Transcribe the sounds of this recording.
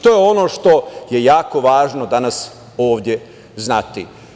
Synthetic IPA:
t̪ojeo̞no̞ːʃt̪o̞je̞jaːko̞ʋaːʒnod̪anas | o̞ːʋd̪ʲje̞ | znat̪i

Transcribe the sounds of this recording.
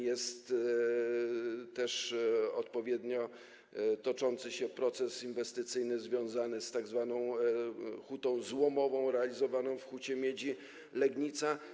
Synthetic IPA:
jɛst̪ | ɛʂɔt̪pɔvʲjɛd̪ɲɔ | t̪ɔt͡ʂɔnt̪sɘɕɛpɾɔt̪sɛsinvɛst̪ɘt̪sɘjnɘzvʲjɔ̃w̃zanɘst̪aɡzvanɔ̃w̃ | xut̪ɔ̃w̃zwɔmɔvɔ̃w̃ɾɛalʲizɔvanɔ̃w̃fxut͡ɕɛmʲjed͡ʑi | lɛɡɲit̪sa

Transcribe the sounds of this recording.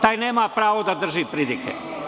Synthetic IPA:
t̪aːjneːmapɾaːʋod̪ad̪r̩ʒipɾilikḛ

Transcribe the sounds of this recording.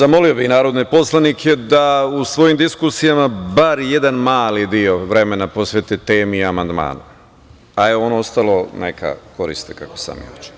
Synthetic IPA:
zamo̞lio̞bixnaːɾo̞d̪ne̞po̞slˠanikʰe̞d̪ausʋo̞jimd̪iskusijamabaɾje̞d̪anmaːlid̪io̞ʋɾe̞me̞napo̞sʋet̪et̪eːmiiamand̪ma̰ːn | ajeo̞nost̪alˠo̞nḛkʰa̰ko̞ɾḭst̪ekakosa̰mḭo̰t͡ʃe̥

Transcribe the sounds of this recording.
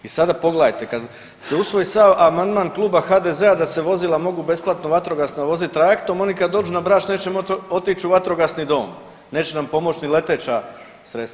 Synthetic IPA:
isad̪apo̞ɡlajt̪e̞kad̪ | seusʋo̞jisaʋamand̪maːnklˠuːbaxaːd̪e̞zead̪aseʋo̞zilamo̞ɡube̞splˠat̪noʋat̪ɾo̞ɡasnaʋo̞zit̪ːɾajekt̪o̞mo̞nikad̪d̪o̞ːd͡ʒunabɾaːʃne̞ːt͡ʃemo̞t̪it͡ʃuʋat̪ɾo̞ɡasnid̪o̞̰ːm | ne̞ːt͡ɕe̞nampo̞mo̞t͡ɕnile̞t̪et͡ʃa | sɾe̞t̪st̪a

